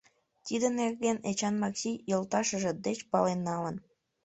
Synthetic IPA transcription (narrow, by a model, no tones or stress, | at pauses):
t̪id̪ənerɣenet͡ɕɑnmɑksijolt̪ɑʃəʒĕd̪et͡ɕpɑlenːɑlən